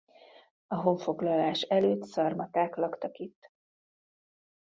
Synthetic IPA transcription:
ɒɦo̞ɱfo̞ɡlɒlaːʃɛløːt̪sɒrmɒt̪aːklɒkt̪ɒkit̪ː

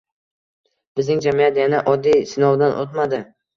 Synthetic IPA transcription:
b̥ɪznɪŋd͡ʒamijat̪janaʔɒd̪ːijsɪnɒwd̪anʔot̪mad̪ɪ

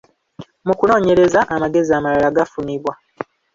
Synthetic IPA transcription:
mukuno̞ːɲe̞ɾe̞zaʔːmaɡe̞ziamalalaɡafuniβwa

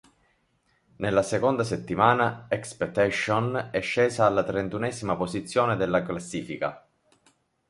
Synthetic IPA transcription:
nelːasekond̪as̬et̪ːimaːnaɛkspɛt̪ːɛʃːonɛʃːeːzaːlːat̪ɾent̪unɛːzimapozit̪sːjoːned̪elːaklasːiːfika̰

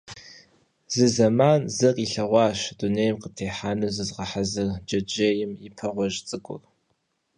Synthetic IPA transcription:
zɨzɐmaːnzɐrʼiɬɐʁʷɑːɕduneːjmqətʰeːħaːnɨzɨzʁɐħazɨrd͡ʒɐd͡ʒeːjɪmipʰɐʁʷɔʒt͡sʼɨkʷʼʊ̰r

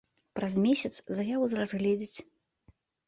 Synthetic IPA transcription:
pɾazmʲesʲɐt̪szajavuzɾazɣlʲɛd͡zʲit͡sʲ

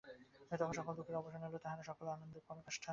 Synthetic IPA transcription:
met̪ɔkʰonʃɔkold̪ukeɾɔboʃonɦolot̪aɦaneʃɔkolanond̪opɔnokaʃʈʰa

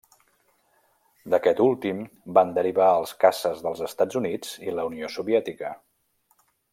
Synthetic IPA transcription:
d̪əkɛt̪ulˠt̪im | band̪əɾiβaəlˠskasəzðəlˠzəst̪ad͡zunid͡ziləuniosuβiɛt̪ikə

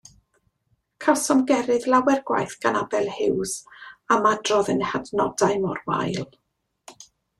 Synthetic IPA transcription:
kʰasɔmɡɛɾɨðlˠawɛrɡwa̰jθɡ̥anabɛlˠhɪwsamadrɔðənhadnɔdaɨmɔrwa̰jlˠ

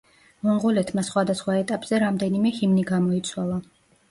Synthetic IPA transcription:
mɔmʁɔlɛt̪ʰmasχwad̪asχwaɛt̪ʼapʼz̥ɛɾamd̪ɛnimɛhimniɡamɔit̪sʰwalˠa

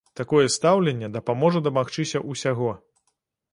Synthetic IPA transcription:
t̪akɔjɛst̪awlʲɛnʲːɛd̪ɐpamɔʐɐd̪ɐmaxt͡ʂɨsʲɐʔusʲaɣɔ

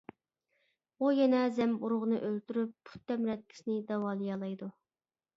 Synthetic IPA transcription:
ujɛnɛzɛmuɾʊʁənɨʔølt̪yɾypːʰu̥t̪̚ːɛmɾɛt̪̚kʲʰi̥snɪd̪ɑwɑːlˠɨjɑlˠɑjd̪u

